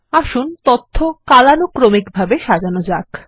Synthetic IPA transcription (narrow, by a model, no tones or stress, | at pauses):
aʃunt̪ot̪ʰːokalanokɾomikbʱabeʃad͡ʑanod͡ʑak